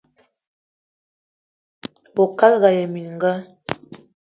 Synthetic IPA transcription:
bo˨ka˦lɣa˨jɛ˨mi˨n˨ŋ˦ɡa˦

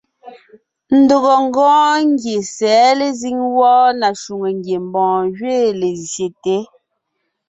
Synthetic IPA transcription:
n̩˨˦do˨ɣɔ˨ŋ̩˦ɡɔ̃ː˦ŋ˦ɡje˨sɛː˨˦le˨zi˦ŋwɔː˦na˨ʃu˨ŋe˨ŋɡje˨m˨bɔ̃ː˨ɣɥeː˦˨le˨zje˨te˨˦

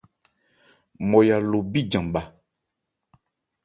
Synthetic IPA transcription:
mɔ̃˨ja˨lo˨bi˦d͡ʒã˨ɓa˨

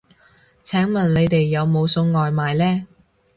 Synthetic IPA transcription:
t͡sʰɛː˨˥ŋmɐ˨˩nle˨˧jt̪e˨jːɐ˨˧wmo˨˧wsʊ˨˧˥ŋŋɔː˨jmaː˨jlɛː˥

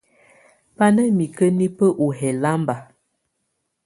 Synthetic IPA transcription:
pa˦nə˦mi˨kə˦ni˦pə˦ʔu˨ɦɛ˨la˦mba˨

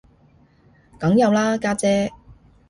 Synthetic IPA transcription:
kɐ˨˥ŋjɐ˨˧wlaː˥kaː˥t͡sɛː˧˥

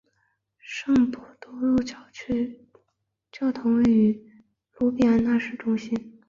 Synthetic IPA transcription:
ʂɤ˥˩ŋpɔ˨˩t̪ɔ˥ɻu˥˧t͡ɕʊ˥˧ | t͡ɕjɑ˥˩ʊt̪ʰʊ˧˥ŋwe˥˩ɪy˧˥ | lu˧˥pi˨˩a˧˥na˥˧ʂɻ̩˥˩ʈ͡ʂʊ˥ŋɕi˥n

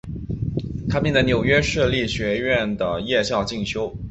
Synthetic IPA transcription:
t̪ʰa˥pjɛ˥˩nd̪ə˧˩njo˨˩ʊɥɛ˥ʂɤ˥˧li˥˩ɕɥɛ˧˥ɥɛ˥˩nd̪ə˩jɛ˥˧ɕjɑ˥˧ʊt͡ɕi˥˩ŋɕjo˥ʊ

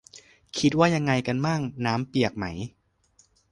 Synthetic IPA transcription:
kʰi˦˥t̪̚waː˥˩ja˧ŋːa˧jka˧nmaː˥˩ŋnaː˦˥mpi˨˩ək̚ma˦˥j

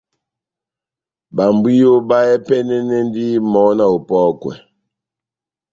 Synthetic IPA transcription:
ba˨mbwi˦jo˦ba˦ɛ˦pɛ˦nɛ˦nɛ˦n˦di˦mɔ˨˦na˨o˨pɔ˦kwɛ̰˨

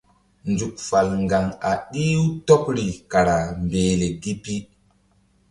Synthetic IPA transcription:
nd͡ʒu˨k̚fa˨lŋɡa˨ŋa˨ɗi˦wu˦to˦pɾi˨ka˨ɾa˨mbeː˨le˨ɡi˦pi˦

